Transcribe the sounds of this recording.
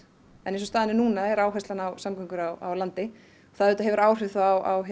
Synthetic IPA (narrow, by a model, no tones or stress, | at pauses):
ɛ̰nensɔst̪aːðɪnɪnuːnaɛɾaːwɦasanawsamkʰœŋkʏɾawa̰wlant̪ɪ | ɔθaðɾʏːt̪aɦɛvʏɾaːwr̥ɪθaawa̰wɦ